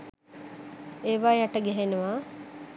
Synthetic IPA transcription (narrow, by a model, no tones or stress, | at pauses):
eːʋaːjaʈəɡæɦenuʋa